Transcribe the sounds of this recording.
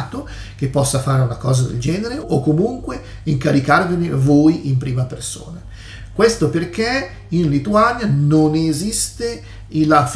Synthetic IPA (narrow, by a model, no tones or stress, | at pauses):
t̪o | k̟epːɔsːafaːɾeunakɔːzad̪ḛld͡ʒɛːneɾeʔokːomuŋkwe | iŋkaɾikarvenevoːjʔimpɾiːmaperso̰ːna | kwest̪operk̟e | inlit̪uanjanonezist̪e | ilaf